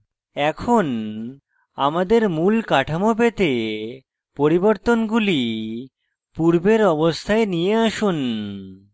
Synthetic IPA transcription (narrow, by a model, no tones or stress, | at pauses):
ɛkʰon | amad̪eɾmulkaʈʰamopet̪e | poɾiboɾt̪onɡuli | puɾbeɾɔbost̪ʰaenijeaʃun